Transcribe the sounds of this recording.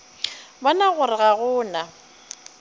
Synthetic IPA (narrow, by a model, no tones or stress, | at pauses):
banaɣʊɾɪɣaɣʊːna